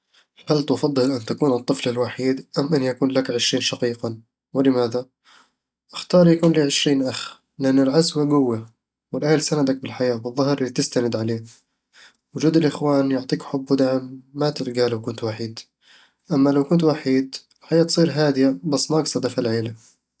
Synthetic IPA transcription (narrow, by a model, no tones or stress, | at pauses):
halt̪ʊfɑd̪ˤːɨlʔɪnt̪akuːnɨt̪ˤːɨflɪlwaħiːd̪ʔamːʔɪnːjakuːnlakʕɪʃɾiːnʃɑqiːqa | wɪlɪmaːða | ʔɪxt̪ɑːɾˤjakuːnliːʕɪʃɾiːnʔax | lɪʔanːɪlʕazwaɡʊwːa | wɪlʔahlsanad̪ak̚bɪlħajaːbɨðˤːɑhɾʔɪlːit̪ɪst̪anɪd̪ʕaleː | wʊd͡ʒuːd̪ɪlʔɪxwaːnjʊʕt̪ˤiːkħʊbːwʊd̪aʕɪmːat̪ɪɾɡalawkʊnt̪waħiːd̪ | ʔamːalawkʊnt̪̬waħiːd̪ɪlħajaːt̪sˤiːɾɦaːd̪ɪjabasːmaʔɑɡsˤɑd̪afalʕeːla